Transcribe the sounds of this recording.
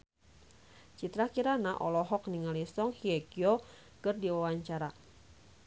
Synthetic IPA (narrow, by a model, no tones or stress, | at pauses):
t͡ʃit̪ɾakiɾanaʔɔlɔɦɔk̚niŋalisɔŋhiɛkio | kɨrdiwawaɲt͡ʃaɾa